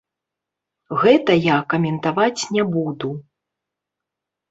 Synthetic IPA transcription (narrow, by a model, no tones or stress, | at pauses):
ɣɛt̪ɐjakɐmʲɛnt̪avat͡sʲnʲɛbud̪u